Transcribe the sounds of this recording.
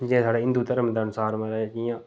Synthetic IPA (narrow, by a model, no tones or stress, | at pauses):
d͡ʒɛ̃ːsaːɖeːɪ̃nd̪uːt̪əɾəmd̪aːənʊsaːɾmãːɾəɦekijãː